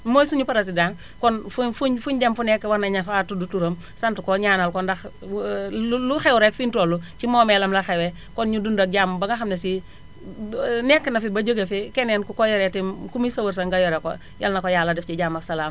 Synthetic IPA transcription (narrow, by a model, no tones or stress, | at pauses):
moːjsuɲupɐɾɐs̬idaːŋ | kɔnfufuɲfuɲɟemfunɛkːɛwanɐɲɐfatudutuɾɐm | sɐntukɔɲaːnɐlkɔndɐx | luxɛwuɾɛkfintolːut͡ʃimoːmɛlɐmlaxewɛ | kɔnɲudundɐk̚ɟaːmbɐŋɡɐxɐmnesi | nɛkːɛnɐfibɐd͡ʒəɡɐfikɛnɛnkukɔjɔɾɛtimkumisɐwɐɾsɐŋɡajɔɾɛko̰ | jɐ̰lnɐkojalːɐdɛft͡ʃiɟaːmɐksɐlaːm